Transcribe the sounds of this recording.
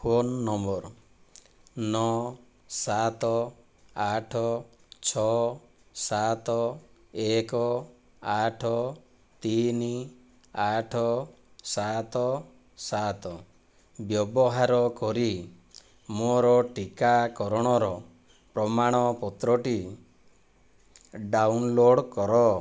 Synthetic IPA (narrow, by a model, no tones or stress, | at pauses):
fʰonːɔmbɔɾ | nɔ | sat̪ɔ | aʈʰɔ | t͡ʃʰɔ | sat̪ɔ | ekɔ | aʈʰɔ | t̪ini | aʈʰɔ | sat̪ɔ | sat̪ɔ | bjɔbɔɦaɾɔkɔɾi | moɾɔʈikakɔɾɔɽ̃ɔɾɔ | pɾɔmaɽ̃ɔpɔt̪ɾɔʈi | ɖawnloɽkɔɾɔ